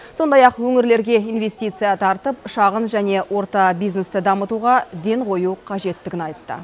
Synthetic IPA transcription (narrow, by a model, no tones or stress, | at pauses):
so̞nd̪ɑjɑqwɵŋɪɾle̞ɾɡʲe̞ijnve̞st̪ijt̪sɨjɑt̪ʰɑɾt̪əpʃɑʁənʒæne̞wʔo̞ɾt̪ɑbijzne̞st̪ɪd̪ɑmət̪uʁɑd̪e̞ɴqʰo̞juqʰɑʒe̞t̪ːɪɡʲɪnɑjt̪ːə̰